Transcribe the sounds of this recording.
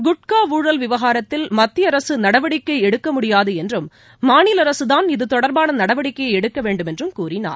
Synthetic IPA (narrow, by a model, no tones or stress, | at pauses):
ɡʊʈ̚kaːuːɻɐlʋɪʋɐɣaːɾɐt̪ːɪlmɐt̪ːɪjɐɾɐsɯnɐɽɐʋɐɽɪkːɐɪɛɽɯkːɐmʊɽɪjaːðɯɛndrɯmː | aːnɪlɐɾɐsɯðaːnɪðɯt̪ɔɽɐɾbaːnɐnɐɽɐʋɐɽɪkːɐɛɽɯkːɐʋeːɳɖɯmɛndrɯmkuːrɪna̰ːɾ